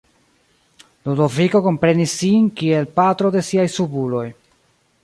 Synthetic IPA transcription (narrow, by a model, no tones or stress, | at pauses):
lodoviko̞ko̞mpɾe̞nisːinkie̞lpatɾo̞de̞siajsubulo̞j